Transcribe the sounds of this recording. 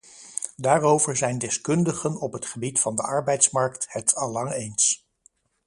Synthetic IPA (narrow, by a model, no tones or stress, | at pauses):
daːrowvəɹzɛjndɛskɵndəχənɔpɦətχəbitfɑndəʔɑɹbɛjtsmɑɹkthətʰɑlɑŋejns